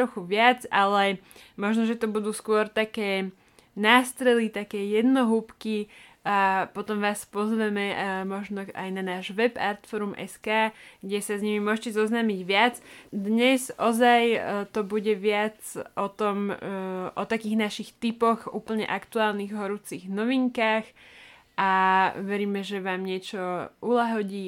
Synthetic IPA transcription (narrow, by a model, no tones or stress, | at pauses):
ɾɔxuʋɪat͡salɛmɔʒnɔʒɛt̪ɔbud̪uːskʊɔɾt̪akɛː | naːst̪ɾɛlit̪akɛːjɛd̪nɔɦuːpkiapɔt̪ɔmʋaːspɔzʋɛmɛmɔʒnɔa̰jnanaːʒʋɛpa̰ɾt̪fɔɾumʔɛ̰skaːɡɟɛsazɲimimʊɔʒcɛzɔznamiɟʋɪad͡zd̪ɲɛzʔɔzajt̪ɔbuɟɛʋɪat͡sʔɔt̪ɔm | ʔɔt̪akiːɣnaʃixt̪ipɔɣṵːpl̩ɲɛ̰ʔakt̪uaːlniɣɦɔɾut͡siɣnɔʋiŋkaːx | ʔaʋɛɾiːmɛʒɛʋaːmɲɪɛt͡ʃɔulaɦɔɟiː